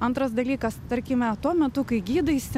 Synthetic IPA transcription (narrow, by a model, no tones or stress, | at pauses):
ɐnt̪ɾɐsd̪ɐlʲiːkɐst̪ɐɾʲkʲɪmʲɛt̪uɔmʲɛt̪ʊkɐɪɡʲiːd̪ɐɪsʲɪ